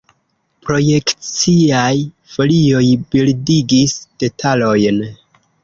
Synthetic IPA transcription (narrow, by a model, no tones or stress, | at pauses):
pɾo̞je̞kt͡siaj | fo̞lio̞jbildiɡisd̥e̞tʰalo̞jn